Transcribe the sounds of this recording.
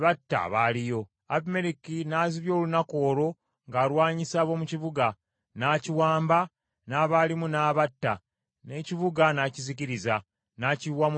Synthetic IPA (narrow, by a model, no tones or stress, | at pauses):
βatːa̰βaːlijo̞ | apme̞ɾikinaziβjo̞ːlunako̞ːɾo̞ | ŋɡaːɾwaːɲisaβo̞muciβuɡa | naciwaːmba | naːβalimunaːβatːa | ne̞ciβuɡanaːciziciɾiza | naːciwam